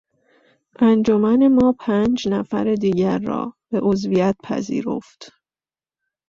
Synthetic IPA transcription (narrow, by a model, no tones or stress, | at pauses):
ʔænd͡ʒomæne̞mɒːpʰænd͡ʒnæfæ̰ɾed̪iːɟæɾːɒ̰ːb̥e̞ʔozvijæt̪̚pʰæ̰zḭːɾo̞̰ft̪